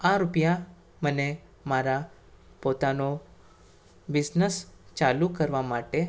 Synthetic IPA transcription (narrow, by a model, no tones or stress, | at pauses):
aɾupja | məne | maɾa | pot̪ano | bid͡znəst͡ɕalukəɾʋamaʈe